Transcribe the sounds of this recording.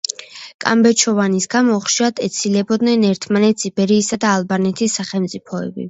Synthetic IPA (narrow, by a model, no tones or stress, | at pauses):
kʼa̰mbɛt͡ʃʰɔvanisɡamɔχʃiad̪ɛt̪sʰilɛbɔd̪nɛnɛɾt̪ʰmanɛt̪ʰsibɛɾiːsad̪aːlˠbanɛt̪ʰisːaχɛlmt̪sʼipʰɔɛ̰bḭ